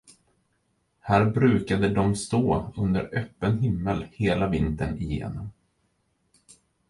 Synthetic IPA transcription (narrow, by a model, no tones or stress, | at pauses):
hæːɾbɾʉ̟ːkad̪əd̪ɔmst̪oːɵnd̪ə̰ɾœpːənɦɪmːəlheːlavɪnt̪ənɪjḛːnɔm